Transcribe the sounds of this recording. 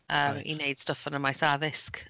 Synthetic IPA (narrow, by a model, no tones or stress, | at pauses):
əːmḭnejd̥stəfənəmajsaðɪsk